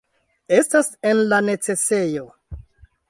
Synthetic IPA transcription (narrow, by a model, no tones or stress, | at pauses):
e̞stasenlane̞t͡se̞se̞jo̞